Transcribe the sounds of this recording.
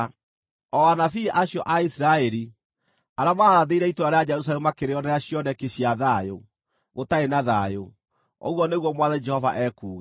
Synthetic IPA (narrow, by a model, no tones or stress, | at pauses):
ɔanafiʔaɕjɔʔaisiɾaɛɾi | aɾamaɾaðeiɾɛitoɾaɾead͡ʒɛɾusaɛmumakeɾeɔnɛaɕjɔnɛkeɕiaðajo | ɣotaenaðajo | o̰ɣwɔneɣwɔmwaðɛd͡ʒɛhɔva̰ʔɛkuːɣa